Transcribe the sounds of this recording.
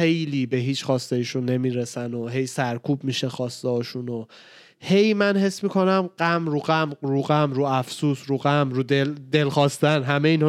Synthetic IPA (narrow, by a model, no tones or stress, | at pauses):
xe̞jliːbe̞ɦiːt͡ʃxɒːst̪ejiʃunːe̞miːɾesænoɦe̞jsæɾkʰuːbmiːʃe̞xɒːst̪ɛɦɒːʃuno | he̞jmænhe̞sːmiːkʰo̞næmɢ̥æmɾuːɢæmɾuːɣæmɾuːæfsuːsɾuːɣæmɾuːd̪eld̪e̞lxɒːst̪ænɦæmeiːnh